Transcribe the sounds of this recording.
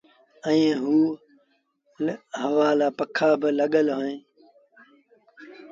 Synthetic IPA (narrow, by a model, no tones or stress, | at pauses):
ɛ̃ːɦuː | ɦəʋaːlaːpəkʰaːbɪləɠəlɦoːẽː